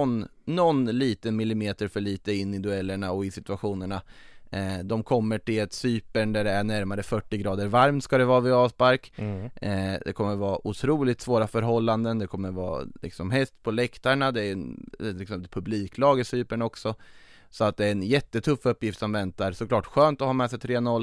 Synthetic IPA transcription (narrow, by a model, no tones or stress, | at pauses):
nːɔnːliːt̪ənmɪlɪmeːt̪əɾfœɭiːt̪əɪnːɪd̪ɵɛlːəɳaɔɪsɪt̪ɵaɧuːnəɳa | d̪ɔmkʰɔmːəʈɪlɛt̪syːpəɳd̪æɖɛæɳæɾmaɾəfœʈːɪɡɾɑːd̪əɾvaɾmt̪skad̪ɛvɑːvɪɑːspaɾk | d̪ɛkʰɔmːəɾvɑːʔʊt̪ʰɾuːlɪt̪svoːɾafœɾɦɔlːand̪ənd̪ɛkʰɔmːəɾvɑ̰ːlɪ̰ksɔmɦɛst̪pʰɔlɛkt̪aɳad̪ɛæɾlɪksɛmpəpʰɵbliːklɑːɡɪsyːpəɳɔksɔ | sɔat̪̚d̪ɛæɾɛnjɛt̪ːət̪ʰɵfːɵpːjɪft̪sɔmvɛnt̪aɾsɔklɑːʈɧøːnt̪ɔhɑːmɛːsɛjt̪ʰɾeːnɔlː